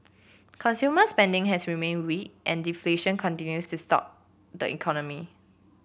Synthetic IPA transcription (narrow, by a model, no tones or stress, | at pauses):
kʰɔ̃nsjuməspɛ̃ndɪ̃ŋɦɛsɹimẽnwik̚ʔɛ̃ndifleʃə̃nkʰɔ̃ntĩnjustustɔ̰p̚ | dəʔḭkʰɔnɔmi